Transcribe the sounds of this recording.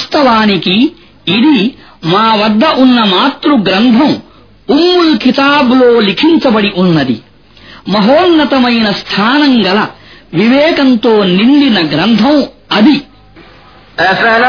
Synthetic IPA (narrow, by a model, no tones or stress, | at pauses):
st̪ɐʋaːnikiː | d̪i | maːʋɐd̪ʱːɐʔunːɐmaːt̪ɾuɡɾɐnd̪ʱɐ̃w | umːulkit̪aːbloːlikʰiɲt͡ʃɐbɐɽiʔunːɐd̪ḭ | mɐɦoːnnɐt̪ɐmɐjnɐst̪ʰaːnɐŋɡɐlɐʋiʋɛːkɐnt̪oːniɳɖinɐɡɾɐnd̪ʰʱɐ̃wɐd̪i | eːsɐ